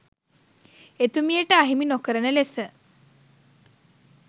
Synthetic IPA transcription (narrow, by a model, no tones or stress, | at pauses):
et̪umijəʈəaɦiminokəɾənəlesə